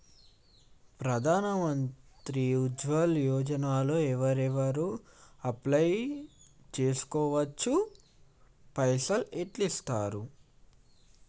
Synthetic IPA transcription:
pɾɐd̪ʱaːnɐmɐnt̪ɾiud͡ʒʋɐljɔːd͡ʒɐnaːlo̞ːɛʋɐɾɛʋɐɾuɐplɐj | t͡ʃe̞ːsu̥kɔːʋɐt͡ʃːu | pɐjsɐleʈlist̪aːɾu

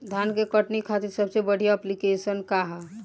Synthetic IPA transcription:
d̪ʱjankekəʈnikʰat̪iɾsəbsebəɽ̤ijaəplikesənkaɦɛ

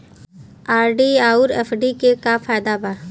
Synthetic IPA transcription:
aːɾɖiaːuɾeːpʰɖikekafʰaːjd̪abaː

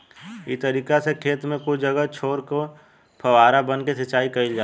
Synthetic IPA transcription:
ḭt̪əɾiːkasekʰeːt̪mẽkʊt͡ʃʰd͡ʒəɡət͡ʃʰoːɾko | pʰɐʋaːɾabənkesɐt͡ʃaːikɐɪld͡ʒaː

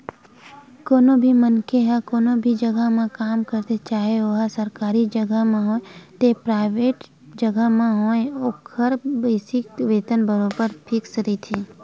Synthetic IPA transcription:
koːnobʱimənkeɦɛ̃koːnõbʱid͡ʒɐɡəɦmẽkaːmkəɾt̪et͡ʃaːɦeoːɦasɐɾkaːɾid͡ʒɐɡəɦmẽɦõet̪epɾaːɪʋeːʈ | d͡ʒɐɡəɦmẽɦõːeoːkʰəɾbəɪsɪk̚ʋeːt̪ənbəɾobəɾpʰɪksɾəit̪ʰiː

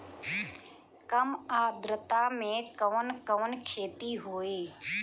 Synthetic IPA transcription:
kəmaːd̪ɾət̪amẽkəʋənkəʋənkʰeːt̪iɦoːeː

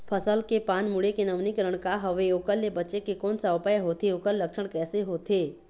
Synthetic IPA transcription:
pʰəsəlkepaːnmʊɽekenəʋnikəɾəɽ̃kaɦɐʋeoːkəlːebətːt͡ʃekekɔːnsaʊpaːjɦoːt̪ʰeokəlːəkʃəɽ̃kɛːseɦoːt̪ʰeː

